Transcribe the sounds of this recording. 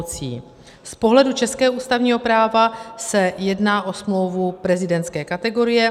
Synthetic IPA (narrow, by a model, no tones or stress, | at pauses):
t͡sḭː | spo̞ɦlɛdut͡ʃɛskɛːɦuːst̪avɲiːɦo̞pɾaːvasɛjɛdnaːʔo̞smlo̞wvupɾɛzɪdɛnt̪skɛːkat̪ɛɡo̞ɾɪjɛ